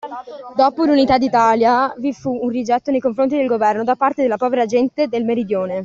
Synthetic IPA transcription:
d̪oːpolunit̪ad̪ːit̪aːljavifuːnrid͡ʒɛt̪ːonejkoɱfɾont̪id̪elɡovɛrnod̪apːart̪ed̪elːapɔːveɾad͡ʒɛnt̪ed̪elmeɾid̪joːne

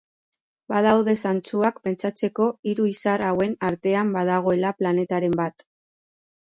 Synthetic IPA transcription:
bað̞awðe̞sant͡suakpe̞nt͡sat͡se̞ko̞iɾuisaɾawe̞naɾt̪e̞ambaðaɣ̞o̞e̞laplane̞t̪aɾe̞mbat̪

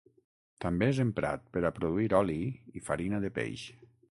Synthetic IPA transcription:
t̪ambeezempɾa̰t̪̚pəɾapɾoðuiɾɔliifaɾinaðepḛjʃ

